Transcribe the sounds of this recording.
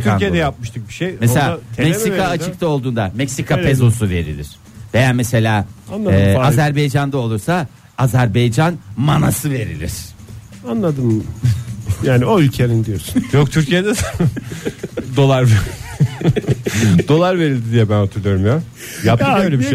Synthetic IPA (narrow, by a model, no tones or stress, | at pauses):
t̪ʰyɾijed̪ɛjap̚mɯʃt̪ʰɯk̚biʃejmeselʲamɛksikaːt͡ʃʰɯk̚t̪ʰao̞lˠd̪uːnd̪amɛcsikʰapʰezo̞suve̞ɾḭlʲḭɾ̥ | ve̞jaːmese̞lʲaːanlˠaɛːazæɾbejd͡ʒand̪ao̞lˠuɾsa | azæɾbejd͡ʒanmanasɯve̞ɾḭlʲḭɾ̥ | anlˠad̪ɯm | jaːnioylʲcʰenind̪ijoɾsjokt̪ʰyɾcʰijed̪ɛ | d̪o̞lˠaɾv | d̪o̞lˠaɾve̞ɾilʲd̪id̪ijɛbænhot̪ʰuɾlˠujo̞ɾumja | jap̚t̪møjlʲebiiʃ